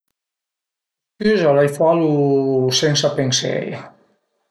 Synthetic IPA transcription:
kyzalajfalusensapensḛḛja

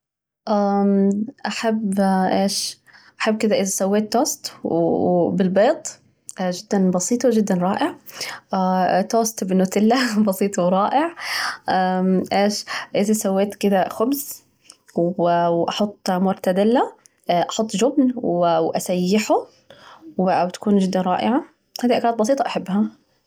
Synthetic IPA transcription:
ʔa | ʔaħabːʔeːʃ | ʔaħabːkɪd̪aʔɪzasawːeːt̪ːoːst̪ | bɪlbeːt̪ˤː | ʒɪd̪ːanbɑsiːt̪ˤwd͡ʒɪd̪ːanɾˤɑːʔɪʕ | t̪oːst̪bɪnʊt̪ɪlːabɑsiːt̪ˤwɾˤɑːʔɪʕʔaʔeːʃʔɪzasawːeːt̪kɪd̪axʊbz | wwʔɑħʊt̪ˤːmʊɾt̪ad̪ɪlːa | ʔɑħʊt̪ˤːʒʊbnwwʔasajːɪħʊ | wwt̪ḁkuːnʒɪd̪ːanɾˤɑ̰ːʔɪʕa | haːd̪iʔakɾɑːt̪̚bɑs̬iːt̪ˤɑʔaħabːɦa

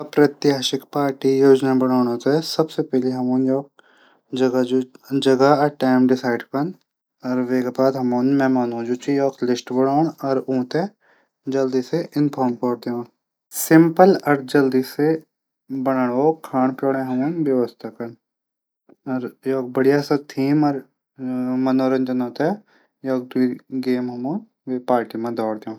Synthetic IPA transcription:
ɐpɾɐt̪ɪɦaːʃɪkpaːɾʈijoːd͡ʒnabɐɽ̃aːɽ̃oːt̪ɛsɐbsepɛɦleɦɐmõːnjɔːk̚ | d͡ʒɐɡad͡ʒud͡ʒɐɡaʈaːɪmɖɪsaːɪɖkɐn | ɔːɾʋeːkepaːd̪ɦɐmoːnmɛ̃ːmaːnũːd͡ʒuːt͡ʃijɔːklɪsʈbɐɽaːɳɔːɾũːt̪e | d͡ʒɐld̪iːseʔɪnpʰɔːɾmkɔːɾd̪eõː | sɪ̃mpəlɐɾd͡ʒɐld̪iːse | bɐɽ̃əɳoːkʰaːɳpjoːɽẽɦɐ̃janʋjɐʋəst̪ʰakɐn | ɐɾjɔːk̚bɐɽijasɐt̪ʰiːmɐɾ | mɐnoːɾə̃nd͡ʒənoːt̪e | jɔːk̚d̪uiɡeːmɦɐmõː | ʋepaːɾʈimãd̪ɔːɽd̪eõː

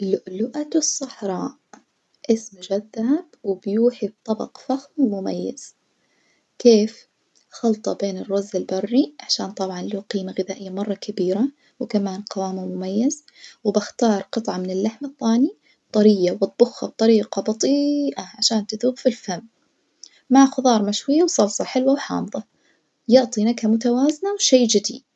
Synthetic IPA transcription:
lʊʔlʊʔat̪sˤːɑħɾˤɑːʔ | ʔɪsmʊd͡ʒaðːahabwɪbjuːħib̚t̪ˤːɑbɑ̰qfaxmʊmajːa̰z̥ | keːf | xɑlt̪ˤɑbeːnɪrˤːazːɪlbɑrˤːiʕaʃaːnt̪ˤɑbʕɑnluːqiːmaɣɪðaːʔɪjːamɑrˤːɑkabiːɾa | wɪkamaːnqɑwaːmamʊmajːaz | wɪbɪxt̪ɑːɾˤqɨt̪ˤʕɑmɪnɪlːaħmaθːaːni | t̪ˤɑɾiːjawɑt̪̚b̥ʊxːɑb̚t̪ˤɑɾiːqɑbɑt̪ˤiːʔɑʕaʃaːnt̪ɪðuːbfilfamː | aʕxʊðˤɑːɾˤmaʃwɪjːawsˤɑlsˤɑħɪlwawħɑ̰ːmðˤɑ | jʊʕt̪ˤinaɡhamʊt̪awaːznawʃajːd͡ʒɪd̪ḭd̪

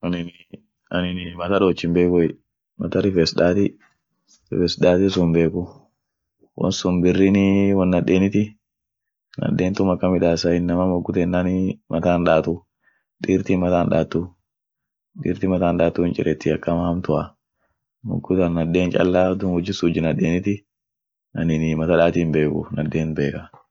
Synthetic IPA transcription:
ʔɐnɪn | ɐnɪnɪmɐt̪ɐᶑoːt͡ʃːɪmbeːkɔɪ | mɐt̪ɐɾɪfɛsᶑaːt̪ɪ | ɾɪfɛsᶑaːt̪ɪsʊmbeːkʊ | wɐ̰nsʊmbɪrːinɪwɐnːɐᶑeːnɪt̪ɪ | nɐ̰ᶑeːnt̪ʊmɐkːɐmɪᶑaːsɐɪnːɐmɐmɔɡːʊt̪ɛnːanɪmʔɐt̪aːnᶑaːt̪ʊ | ᶑiːɾt̪imɐt̪aːnᶑa̰ːt̪ːu | ᶑḭːɾt̪ɪmɐt̪aːnᶑaːt̪ːuːɪnt͡ʃʼɪ̰ɾɛt̪ːɪɐkːɐmɐhɐmt̪ʊʔɐ | mɔ̰ɡːʊt̪ɐnːɐde̞ːnt͡ʃʼɐ̰lːaːd̪ʊnwɔd͡ʒːɪsuːd͡ʒɪnɐᶑːeːnɪt̪ɪ | ɐnɪnɪmɐt̪ɐᶑaːt̪iːmbe̞ːkʊ̰nɐd̪ːeːnbe̞ːkɐ

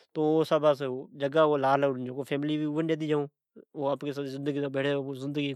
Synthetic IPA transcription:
t̪oːsəbas̬ːd͡ʒəɡaːoːlaːləd͡ʒoːkopʰeːmliːʋiːuːənd͡ʒeːd̪iːd͡ʒaːõː | oːapkesazɪ̃nd̪əɡiːt̪oːbeːʈʰeːoozɪ̃nd̪əɡi

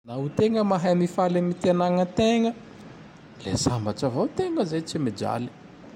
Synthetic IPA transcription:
naɦut̪eŋəmaɦajmifalamit̪ianaŋət̪eŋə | lḛsambaʈ͡ʂavawt̪eŋəzajt͡simid͡ʒa̰li̥

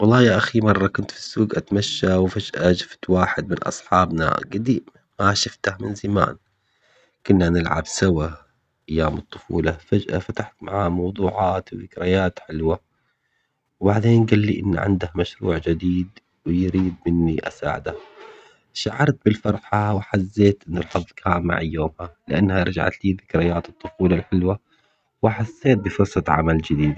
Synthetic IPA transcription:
wɑlˤːɑːjaʔaximɑrˤːɑkʊnt̪fi̥sːuːɡʔat̪maʃːawfad͡ʒʔad͡ʒɪft̪waːħɪd̪̚mɪnʔɑ̰sˤħɑːbna̰ɡad̪iː | maʃɪft̪ahmɪnzama̰ːn | kʊnːanɪlʕa̰bsawa | ʔajːaːmɨt̪ˤːʊ̥fṵːlafad͡ʒʔa̰fat̪aħt̪maʕamɑwd̪ˤuːʕɑːt̪wðɪkɾajaːt̪ħɪlwa | wbaʕd̪eːnɡalːiʔɪn̰ːʕɪ̰nd̪ahmaʃɾuːʕd͡ʒɪd̪iːd̪ | wɪjɾiːd̪̚mɪnːiʔa̰sa̰ːʕɪd̪ah | ʃaʕɑɾˤt̪̚bɪlfɑɾˤħawħazːeːt̪ʔɪnːɪlħɑðˤlkʰaːmma̰ʕajːoːmhalɪʔa̰nːhaɾˤɑd͡ʒa̰ʕa̰t̪liːðɪkɾɪjaːt̪ɨt̪ˤːʊfuːlalħɪlwa | wħasːeːt̪̚bɪfɑsɑt̪ˤʕa̰mald͡ʒɪd̪iːd̪

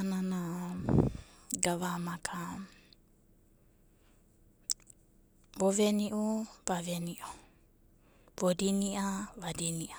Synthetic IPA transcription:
nana | ɡavamakʰa | voveniʔuv̥aveniʔu | bodiniʔavadiniʔa

